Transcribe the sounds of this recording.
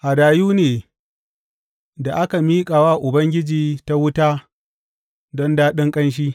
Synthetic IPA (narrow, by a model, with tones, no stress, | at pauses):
ʔa˨daː˨juː˦neː˨ | da˨ʔa˦ka˨miː˦kʼaː˨wa˦ʔʊ˨bɐ˦ŋɡʲɪ˦d͡ʒiː˨ta˦wʊ˦taː˦ | dɔ˦ndaː˦ɗɪ˦ŋkʼɐ˦nʃ̬iː˦